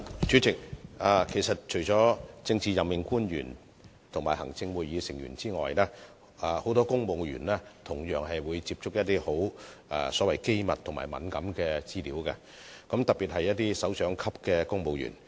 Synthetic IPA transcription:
t͡ʃyː˨˥t͡sɪ˨k̚aː˧kʰe˨˩jsɐ˨t̚t͡ʃʰɵ˨˩jt͡sɔː˨˥t͡sɪ˧ŋt͡siː˨˧jɐ˨mmɪ˨˩ŋkuː˥njy̰ː˨˩n | t̪ʰʊ˨˩ŋmaː˨˩hɐ˨˩ŋt͡sɪ˧ŋwuː˨˧jiː˨˧sɪ˨˩ŋjy̰ː˨˩nt͡siː˥ŋɔ̰ː˨jlɛː˥ | a˧ho˨˥wt̪ɔː˥kʊ˥ŋmo˨˧wjy̰ː˨˩nlɛː˥t̪ʰʊ˨˩ŋjœː˨˩ŋɦɐ˨jwuː˨˧jt͡siː˧p̚t͡ʃʊ˥k̚jɐ˥t̚t̪iː˥ho˨˥wɛ̰˧sɔː˨˥wɐ˨˩jke˥jmɐ˨t̪ʰŋma̰ː˨˩jmɐ̰˨˥nkɐ˨˥mkɛː˧t͡siː˥liː˨˥wkɛ̰˧ | kɔ˨˥mt̪ɐ˨k̚piː˨t̚hɐ˨jːɐ˥t̚t̪ːiː˥sɐ˨˥wsœː˨˥ŋkʰɐ˥p̚kɛː˧kʊ˥ŋpo˨˧wjy̰˨˩n

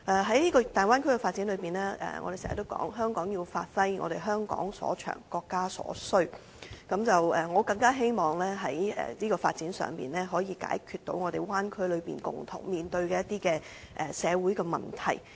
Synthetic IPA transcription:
ʔɛː˨ɦɐ˨˥jniː˥kɔː˧t̪aː˨nwaː˥nkʰɵ˥kɛ˧faː˧t̚t͡si˨˥nlɵ˨˧ɥpiː˨˩nɛː˥ʔɛ̰ː˨ŋɔː˧e˨˩sɛ̰ː˨˩˨t̪o˥wkɔ̰ː˨˥ŋɦœː˥ŋkɔː˨˥ŋjiː˧wfaː˧t̚fɐ˥jŋɔ̰ː˨˧ɾe˨˩jɦœː˥ŋkɔ̰ː˨˥ŋsɔ̰ː˨˥t͡ʃʰœ̰ː˨˩ŋkɔː˧kːaː˥sɔ̰ː˨˥sɵ˥ɥ | kɐ˨˥mt͡sɐ˨wɛ˨˩ŋɔː˨˧kɐ˧ŋkaː˥ɦe˥jmɔː˨ŋlɛː˥ɦɐ˨˥jɛ̰ː˨niː˥kɔː˧fa̰ː˧t̚t͡siː˨˥nsœ̰ː˨ŋpḭː˨nlɛː˥ɦɔː˨˥jiː˨˧ka̰ː˨˥jkʰyː˧t̪o˨˥wŋɔː˨˧e˨˩jwaː˥nkʰɵ˥lɵ˨˧ɥpḭː˨nkʊ̰˨˩ŋt̪ʰʊ̰˨˩ŋmiː˨nt̪ɵ˧ɥkɛː˧jɐ˥t̪̚iː˥kɛː˧ | ʔɛ˨˩sɛː˨˧wuː˨˥jkɛː˧mɐ̰˨˩nt̪ʰɐ̰˨˩j

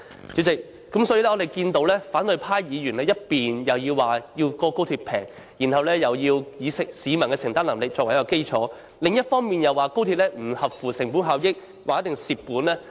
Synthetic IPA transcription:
t͡siː˨˥t͡sɪ˨k̚ːɐ˨˥msɔ˨˥ji˧lɛ˥ɔː˨˧e˨jkiː˧nt̪o˧wlɛː˥faː˨˥nt̪ɵ˨˧jpʰaː˥jjiː˨˧jyː˨˩nlɛː˥jɐ˥t̚piː˨njɐ˨wjiː˧wːaː˨jiː˧wkɔː˧kwt̪ʰiː˧t̚pʰɛː˨˩ŋ | jiː˨˩nhɐ˨˧wlɛː˥jɐ˨wjiː˧wjiː˨˧sɪ˨k̚siː˨˧mɐ˨˩nkɛ˧sɪ˨˩ŋt̪aː˥nlɐ˨˩mlɪ˨k̚t͡ɕt͡ʃɔː˧k̚jwke˥jt͡sʰɔː˨˥ | lɪ˨˧ŋjɐ˥t̚fɔː˥ŋmiː˨njɐ˨wːaː˨˧ko˥wt̪ʰiː˧p̚lɛ˥m̩˨˩hɐ˨p̚fuː˨˩sɪ˨˩ŋpuː˨˥nɦaː˨wjɪ˥k̚ | waː˨kjt̪̚ɪ˨ŋsiː˨p̚pːuː˨˥nlɛː˥

